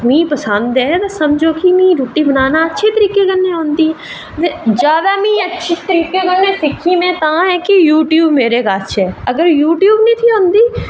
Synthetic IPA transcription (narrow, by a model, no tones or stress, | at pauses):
mĩːpəsə̃nd̪ẽt̪osɐmd͡ʒʱokimĩːɾoːʈibənaːnaɐtːʃʰet̪əɾiːkekənnːẽɦõːnd̪i | ʋed͡ʒjaːd̪amĩɐtːʃʰit̪əɾiːkekəɾnesɪkʰːimẽt̪aãɦɛ̃kijuːʈjuːbmeːɾekaːtːʃʰeɐɡəɾjuːʈjuːbnĩt̪ʰiɦõːnd̪iː